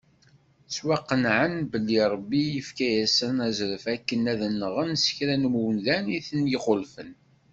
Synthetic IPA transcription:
swɑqːənʕənbəlːiɾˤəbːijəfkæjæsənæzɾəfækːənæðənːəʁənsə̥çɾænmuwnðæniθənjiχolfən

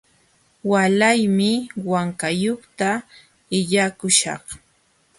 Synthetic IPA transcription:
walajmɪwaŋkajoχt̪a | ɪʎakʊʃɑ̰χ

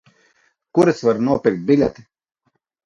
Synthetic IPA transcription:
kuɾɨsvaɾnuɔpʲiɾk̚t̪̚ʲbʲilʲɛt̪i̥

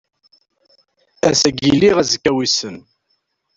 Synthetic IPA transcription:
æsæɡiliʁæzkːæwisən

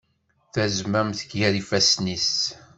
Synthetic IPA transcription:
θæzmæmθə̥kjæɾifæsnis

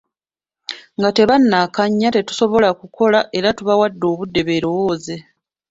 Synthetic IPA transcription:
ŋɡate̞βanːaːkaɲːate̞tu̥so̞βo̞lakuko̞laʔe̞ɾatuβawadːo̞ːβudːe̞βe̞ːɾo̞woːze̞

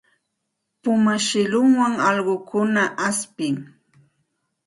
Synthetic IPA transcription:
pʊmaʃɪlʊŋwaŋɑʎɢokʊnaʔaspɪŋ

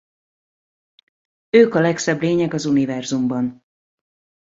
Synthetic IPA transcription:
øːkɒlɛksɛbleːɲɛɡɒzunivɛrzumbɒn

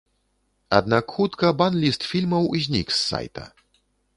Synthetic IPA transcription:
a̰d̪nakxut̪kɐbanlʲist̪fʲilʲmɐwzʲnʲḭksːa̰jt̪ɐ̰

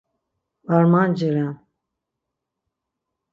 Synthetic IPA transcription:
baɾmand͡ʒəɾan

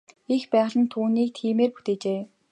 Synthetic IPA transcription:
ixpæːʁəɮə̆nt̪ʰuːniːk̚t̪ʰiːmeːrpu̥t̪eːt͡ɕeː

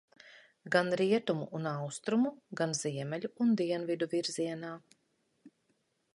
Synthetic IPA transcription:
ɡanɾiɛt̪umuʔunawst̪ɾumuɡanz̥iɛmɛlʲuːnd̪iɛnvid̪uviɾziɛnaː

